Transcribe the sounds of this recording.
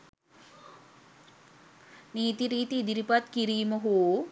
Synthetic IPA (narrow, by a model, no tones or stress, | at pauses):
niːt̪iɾiːt̪iːd̪iɾipat̪kiɾiːmɐɦo